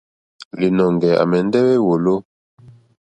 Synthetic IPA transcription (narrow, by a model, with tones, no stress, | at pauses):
li˨nɔ˨ŋɡɛ˨a̰˨mɛ˨n˦dɛ˦wɛ˦wo˨lo˦